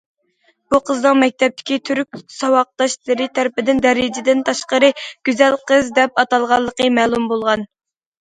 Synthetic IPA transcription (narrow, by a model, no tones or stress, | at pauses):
b̥uqʰəznɨŋmɛk̚ʲt̪ʰɛp̚t̪ʰɪ̥kʲit̪ʰyɾk̚ʲsɑwɑq̚d̪ɑʃlˠɨɾɨt̪ʰæɾɪpɪd̪ɪnd̪ɛɾɪd͡ʒɪd̪ɪnt̪ʰɑʃqəɾɨɡ̥ʲyzɛlqəzd̪ɛp̚ɑt̪ɑlˠʁɑlˠːəqəmɛːlˠumbolˠʁɑn